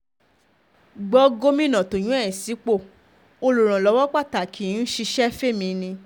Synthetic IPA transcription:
ɡ͡bɔ˧˦ɡo˦mĩ˦˨nã˨to˨j̃ũ˨˦ɛ˦˨si˨˦k͡po˦˨ | o˧lu˨ɾ̃ã˨lɔ˨˦wɔ˦k͡pa˦˨ta˨kʰĩ˨˦n̩˦ʃi˧ʃɛ˦fe˦mĩ˧nĩ˧

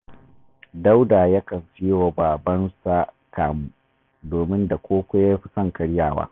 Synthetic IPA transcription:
da˦wda˨ja˦kɐ˨mɸɪ˦jo˨baː˨bɐ˦nsa˦ | kaː˨mu˦ | doː˨mɪ˦nda˨kʷoː˦kʷe˦ja˦ɸi˨sɐ˦˨ŋkɐ˦ɽjaː˦˨wa̰ː˦

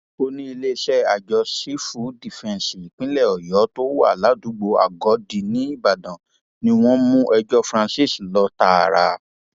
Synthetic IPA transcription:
o˧nĩ˦i˧le˦˧ʃɛ˦a˨d͡ʒɔ˧si˨˦fu˨˦di˨fɛ̃˨n˨si˨k͡pĩ˨˦lɛ˦˨ɔ˨jɔ˨˦to˦wa̰˦˨la˨˦du˨˦ɡ͡bo˧a̰˨ɡɔ˨˦di˨˧nĩ˦i˦˨ba˨dã˨ | nĩ˧w̃ɔ̃˦mũ˦ʔɛ˧d͡ʒɔ˦fɾã˧si˦˨slɔ˨˧˦ta˧˦a˨ɾa̰˧

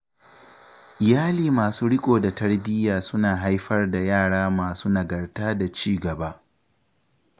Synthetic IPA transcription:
ʔɪ˨jaː˦liː˨maː˨suː˦ɽɪ˦kʷʼoː˨da˨tɐ˦rbɪ˦jaː˨sʊ˦naː˨ɦa˦jɸɐ˦rda˨jaː˦˨ɽaː˦maː˨suː˦nɐ˨ɡɐ˨rtaː˦da˨t͡ʃiː˦ɡɐ˨ba˦ʔ

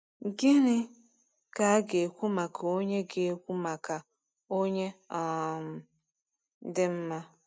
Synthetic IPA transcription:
ɡɪ˦nɪ˦ | ka˨˦a˦ɡe˨kʷu˦ma˨kʰa˨o˦ɲe˦ɡe˨kʷu˦ma˨ka˨ | o˦ɲe˦a˨m̩˨˦ | dɪ˦m̩˦ma˦

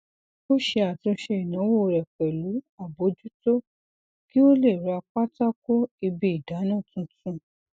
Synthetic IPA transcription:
o˦ʃe˧a˨tũ˧ʃe˧i˨nã˨˦wo˦˨ɾɛ˨k͡pɛ˨lu˨˦a˨bo˨˦d͡ʒu˦to˦ | ki˦o˦le˦˨ɾa˧k͡pa˦ta˦ko˦i˧bi˦i˦˨da˨˦nã˦˨tũ˧tũ˦

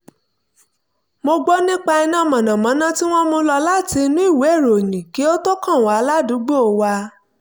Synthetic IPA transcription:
mo˧ɡ͡bɔ˦nĩ˦k͡pa˧ɛ˧nã˦˨mã˨nã˨mã˨˦nã˦ti˦w̃ɔ̃˦mo˧lɔ˧la˦ti˧nũ˦i˦˨we˨˦e˦˨ɾo˨nĩ˨ki˨˦o˦to˦kã˦˨w̃a˨˦a˧la˦du˨˦ɡ͡bo˦o˨˧wa˧

